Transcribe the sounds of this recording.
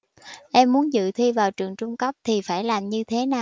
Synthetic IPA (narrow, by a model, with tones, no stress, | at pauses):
ʔɛ˧mːu˨˦ənzɨ̰˧˨t̪ʰi˧vaː˨˩wt͡ɕɨ˨˩əŋt͡ɕʊ˧ŋ͡mkə˦˥p̚t̪ʰi˨˩faː˧˩jlaː˨˩mɲɨ˧t̪ʰe˨˦naː˨˩